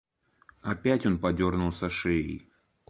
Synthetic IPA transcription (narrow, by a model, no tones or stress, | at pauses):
ɐpʲætʲo̞npɐdʲo̞rnʊlˠsɐʂejɪ̰j